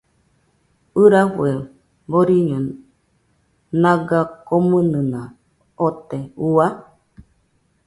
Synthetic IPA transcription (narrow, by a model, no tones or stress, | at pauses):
ɨɾafue | boɾiɲõ | nãɡakomɨ̃nɨ̃nã | ot̪eua